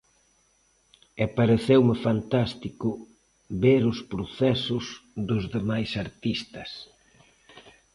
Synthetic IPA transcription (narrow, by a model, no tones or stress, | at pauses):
epaɾeθewmɪfant̪ast̪ikʊ | βeɾʊspɾoθɛsʊsðʊzðemajsaɾt̪ist̪ɐs